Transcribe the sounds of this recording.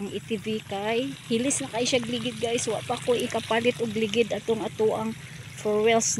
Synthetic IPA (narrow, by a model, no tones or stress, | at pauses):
ŋʔɪt̪ivikajhɪlɪsnakajʃaɡlɪɡɪd̪̚ɡajswaʔpakoʔɪkapalɪt̪ʔʊɡlɪɡɪd̪ʔat̪oŋat̪oʔaŋ | foɹwɛls